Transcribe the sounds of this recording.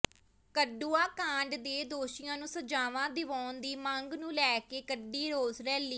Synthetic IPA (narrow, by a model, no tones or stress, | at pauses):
kəɖuːaːkãːɳɖd̪eːd̪oːʃɪjãːnũːsəd͡ʒaːʋãːd̪ɪʋaːnd̪iːmə̃ŋɡnũːlɛːkeːkəɖːiːɾoːzɾɛːlːiː